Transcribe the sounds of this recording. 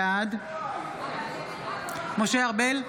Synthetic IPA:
ad̪ | moʃeaʁbel

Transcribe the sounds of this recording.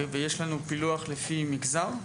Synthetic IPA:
vejeʃlanupiluaχlefimiɡzaʁ

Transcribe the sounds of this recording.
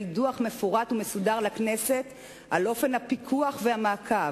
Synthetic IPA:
lduaχme̞foʁat̪umesudaʁlaknese̞t̪ | ʔalo̞fe̞nhapikʰuaχvehamaːkʰa

